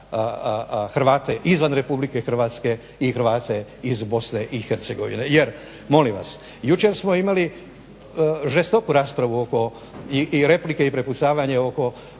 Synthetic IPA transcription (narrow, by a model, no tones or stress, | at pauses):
xɾʋaːt̪e̞ʔizʋanɾe̞publike̞xr̩ʋaːt̪ske̞ | ixɾ̩ʋaːt̪e̞izbo̞sne̞ʔixeɾt̪seɡo̞ʋḭne̞je̞ɾ | mo̞limʋa̰s | jut͡ʃe̞ɾsmo̞imali | ʒe̞st̪o̞kuɾaːspɾaʋuo̞ko̞ | iʔiɾe̞plike̞ipɾe̞put̪saːʋaɲeo̞ko̞